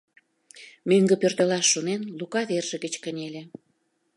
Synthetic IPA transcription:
møŋɡə̆pørt̪ə̆lɑʃːonenlukɑβerʒə̆ɣət͡ɕkənʲelʲĕ

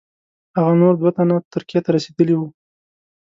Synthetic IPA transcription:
haɣanoɾd̪wat̪anat̪ʊɾkijat̪aɾased̪əliwu

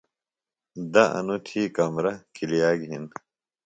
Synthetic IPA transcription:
d̪ɐɐ̰nut̪ʰiːkɐmɾɐkilijaːɡɦin

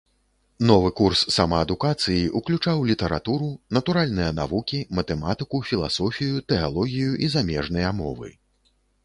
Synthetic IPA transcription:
n̪ɔvɨkursːamɐɐd̪ukat̪sɨjiʔuklʲut͡ʂawlʲit̪ɐɾa̰t̪uɾunɐt̪uɾalʲnɨjɐna̰vukʲimɐt̪ɛmat̪ɨkufʲilˠa̰sɔfʲijut̪ɛa̰lˠɔɣʲijuʔizamʲɛʐnɨjɐmɔ̰vɨ̰

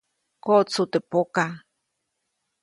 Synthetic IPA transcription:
kot͡sut̪epoka

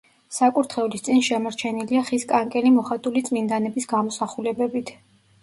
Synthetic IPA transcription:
sakʼuɾt̪ʰχɛulist̪sʼinʃɛmɔɾt͡ʃʰɛniliaχiskʼaŋkʼɛlimɔχat̪ʼulit̪sʼmind̪anɛbisɡamɔsaχulɛbɛbit̪ʰ

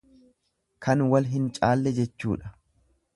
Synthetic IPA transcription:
kʰɐnwɐlɦɪnt͡ʃʼaːlːɛd͡ʒɛt͡ʃːuːᶑɐ̥

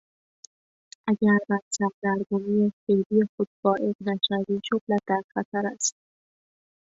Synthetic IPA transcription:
ʔæɟæɾbætsʰæbd̪æɾɡomiːefejbijexod̪̥̚bɒːʔe̞ɣnæʃæviːd͡ʒoblæt̪̚d̪æɾxæt̪ʰæɾæst̪̚

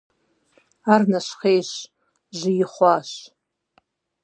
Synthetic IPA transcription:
arnaʃχejʃ | ʒʷijɪχʷaʃ

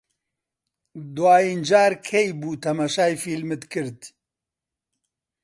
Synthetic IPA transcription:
d̪waːjind͡ʒaːɾkʰejbuːt̪ʰɐmaːʃaːjfiːlmɨt̪kʰɨɾd̪

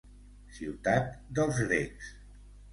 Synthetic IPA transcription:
siwt̪at̪̚d̪əlˠzɣɾeks

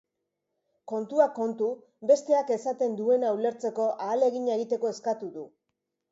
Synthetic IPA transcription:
ko̞nt̪uako̞nt̪u | be̞st̪e̞ake̞sat̪e̞nd̪ue̞naule̞ɾt͡se̞ko̞ʔaːle̞ɣiɲaeɣit̪e̞ko̞e̞skat̪uðu

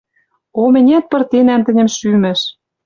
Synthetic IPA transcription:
omɘ̆nʲæt̪̚pɤ̆rt̪enæmt̪ɘ̆nʲɘ̆mʃymɘ̆ʃ

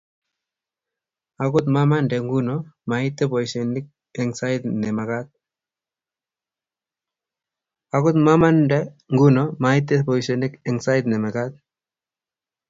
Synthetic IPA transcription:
akʊt̪̬mamandeŋɡunɔmait̪ːepɔjsenɪk̚ | ɛŋsait̪nɛmakat̪̚ | akʊt̪mamandɛ | ŋɡunɔmait̪ːepɔjsenɪkɛŋsajt̪nɛmakat̪̚

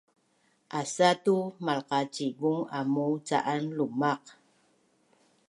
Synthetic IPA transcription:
ʔasatumalqɑt͡ʃibuŋamut͡sa̰ʔanlumaq

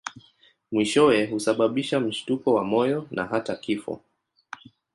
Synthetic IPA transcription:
mwiʃɔwɛhusaɓaɓiʃam̩ʃtukɔwamɔjɔna̰ɦatakifɔ̰

